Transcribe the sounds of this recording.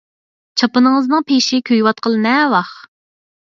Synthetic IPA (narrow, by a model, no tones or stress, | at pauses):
t͡ʃʰɑpɨnɨŋəznɨŋpʰeʃɪkʲʰøjwɑt̪̚qʰəlˠɨnɛwɑχ